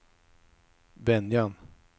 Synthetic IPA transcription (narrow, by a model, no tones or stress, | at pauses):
bɛnjan